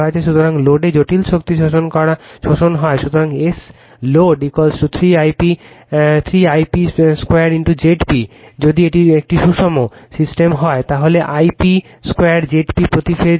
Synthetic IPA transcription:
oet͡ɕʰeʃut̪ʰoɾaŋloɖed͡ʑoʈilʃokt̪iʃoʃonkɔɾaʃoʃonɦɔeʃut̪ʰoɾaŋes | loɖikolsʈut̪ʰɾiajpi | t̪ʰɾiajpiskweaɾinʈud͡ʑeʈpid͡ʑod̪ieʈiek̚ʈiʃuʃomosisʈemɦɔet̪aɦoleʔajpi | skwejaɾd͡ʑeʈpipɾot̪ife

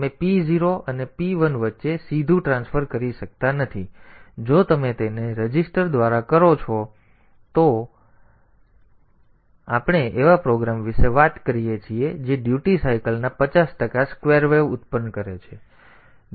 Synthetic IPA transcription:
mepiziɾoənepiʋənʋətːʃesid̪ʱũʈɾãnsfəɾkəɾiʃək̚t̪anət̪ʰid͡ʒot̪əmet̪eneɾəd͡ʒisʈəɾd̪ʋaɾakəɾot͡ʃʰɔ | t̪o | apɳ̃eʔeʋapɾoɡɾamʋɪʃeʋat̪kəɾijet͡ʃʰied͡ʒeɖjuʈisajkəlnapət͡ʃasʈəkaskʋeɾʋeʋʊt̪pənːkəɾet͡ʃʰe

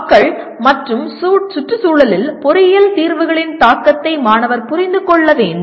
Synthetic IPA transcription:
kːɐɭ | mɐʈrɯmsuːʈ̚sʊʈrɯsuːɭɐlɪlpɔɾɪjɐlt̪iːɾʋɯɣɐɭɪnt̪aːkːɐt̪ːɐɪmaːnɐʋɐɾpʊɾɪnd̪ɯkɔɭːɐʋeːn

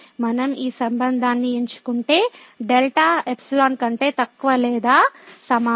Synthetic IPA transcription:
mɐnɐmiːsɐmbɐnd̪ʱaːnːieɲt͡ʃu̥kuɳʈe̞ː | ɖelʈaːepsilaːnkɐɳʈe̞ːt̪ɐkːuʋɐlɛːd̪aːsɐmaː

